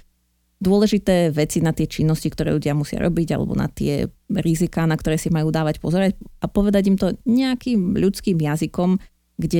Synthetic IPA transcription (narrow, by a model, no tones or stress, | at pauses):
d̪ʊɔlɛʒit̪ɛːʋɛt͡sinat̪ɪɛt͡ʃinːɔscikt̪ɔɾɛ̰ːʎuɟɪamusɪa̰ɾɔ̰biɟa̰lɛ̰bɔ̰na̰t̪ɪɛ̰ɾizikaːnakt̪ɔɾɛːsimajuːd̪aːʋacpɔzɔɾacapɔʋɛd̪aɟimt̪ɔɲɛakiːmʎut͡skiːmjazikɔm | ɡɟɛ